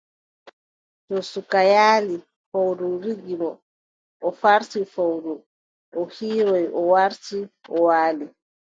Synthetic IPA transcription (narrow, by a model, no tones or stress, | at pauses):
tɔsukajaːli | fawɾuɾiɡimɔ | ʔɔfaɾtifawɾu | ʔɔhiːɾɔjɔwaɾtiʔɔwaːli